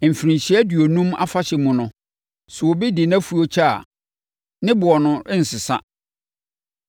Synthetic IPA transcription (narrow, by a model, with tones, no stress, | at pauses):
m̩˨fi˨ɾĩ˨ɲɕi˦ɛ˦dɥo˨nũ˦ma̰˦fa˦ɕɛ˨mũ˨nʊ̃˨ | sʊ˨wo˨bi˦dɪ˨na˦fu˦o˦t͡ɕʰa̰˦˨ | nɪ̃˦bʊ˨ɔ˨nʊ̃˨˦n̩˨sɪ˨sa̰˦